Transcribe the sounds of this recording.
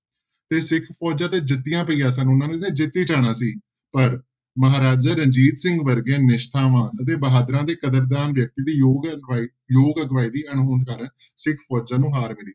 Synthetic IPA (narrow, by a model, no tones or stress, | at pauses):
t̪eːsɪkʰpʰɔːd͡ʒãːt̪eːd͡ʒɪt̪ːijãːpəiːjãːs̬ənʊnãːnẽːt̪ʰẽːd͡ʒɪt̪ːiːt͡ʃaːɽ̃aːsiː | pəɾ | məɦaːɾaːd͡ʒaːɾə̃ɲd͡ʒiːt̪sɪ̃ŋɡʋəɾɡẽːnɪʃt̪ʰaːʋaːnət̪̬eːbəɦaːd̪ɾãːd̪eːkəd̪əɾd̪aːnʋjək̚t̪iːd̪iːjoːɡaː | joːɡəɡʋaːiːd̪iːəɳɦoːnd̪kaːɾən | sɪkʰpʰɔːd͡ʒãːnũːɦaːɾmɪliː